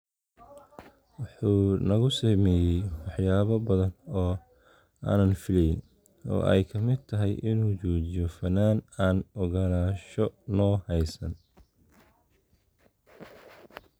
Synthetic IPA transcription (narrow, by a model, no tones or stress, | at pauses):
wɑħuːnɐɣʊsɛːmɛːjɛjwɑħjaːβɐbɐðɐnɔː | a̰ːnɐnfɪlɛjn | ɔ̰ːʔɛ̰jkʰɐmɪd̪̚t̪ʰɐɦɛjʔɪnuːt͡ʃɔːt͡ʃɪjɔfɐnːaːnaːnɔɣɐlaːʃɔnɔːhɛjsɐ̰n